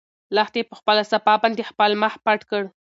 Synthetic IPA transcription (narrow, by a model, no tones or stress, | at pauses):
laxt̪epəxpəlasapɑbɑnd̪expəlməxpaʈkəɽ